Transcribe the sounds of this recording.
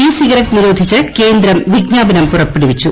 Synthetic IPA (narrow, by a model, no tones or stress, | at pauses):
iːsiɣɐɾɐkniɾo̞ːd̪ʱit͡ɕːɨke̞ːnd̪ɾɐmʋiɡɲaːbɐnɐmpurɐpːeɽiʋit͡ɕːu